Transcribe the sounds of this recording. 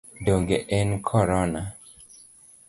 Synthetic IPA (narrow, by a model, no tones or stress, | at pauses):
doŋɡeʔɛnkʰɔɾɔna